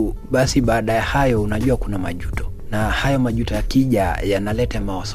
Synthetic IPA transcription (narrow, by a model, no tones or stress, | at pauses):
ɓasiɓaːɗajahajɔunaʄuwakunamaʄutɔ̥ | nahajɔmaʄutɔjakiʄajanalɛtamaɔs